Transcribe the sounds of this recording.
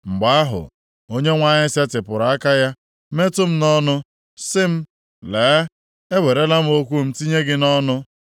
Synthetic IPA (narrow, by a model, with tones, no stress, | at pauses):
ŋ͡m̩˨ɡ͡ba˨˦a˦ɦʊ̰˨ | o˦ɲe˦ŋʷa˦ɲɪ˦se˦tɪ˨pʊ˨ɾa˨˦a˦ka˦ja˦ | me˦tʊ˦m̩˦nɔ˦nʊ˦ | sɪ˦m̩˦ | leː˨˦ | e˦we˨ɾe˦la˦m̩˦o˦kʷu˦m̩˦ti˦ɲe˦ɡɪ˦nɔ˦nʊ˦